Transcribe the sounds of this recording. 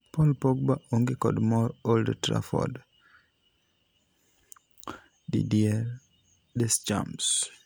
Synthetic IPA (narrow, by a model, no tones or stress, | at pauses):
pɔlpoɡ̚baʔoŋɡekɔ̰dmɔɾoldtɾa̰fɔ̰d | dḭdiɛɾ | dɛsd͡ʒa̰ms